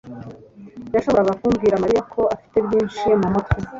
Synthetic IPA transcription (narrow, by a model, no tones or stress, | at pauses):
jaʃo̞βo̞ɾaɡakuːmɡiːɾamaɾijakʰo̞afi̥te̞bjiːnʃimamotwi